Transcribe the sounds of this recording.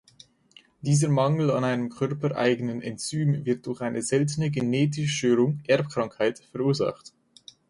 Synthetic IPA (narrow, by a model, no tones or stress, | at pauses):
d̥iːzəmaŋl̩anaɪnəmkʰœɐpəʔa̰ɪɡənənɛ̰nt͡syːmvɪɐt̚d̥ʊʁçʔaɪnəzɛltənəɡeneːtɪʃʃtøːʁʊŋʔɛɐpkʁ̥aŋkhaɪtfɛɐʁuːɐza̰χt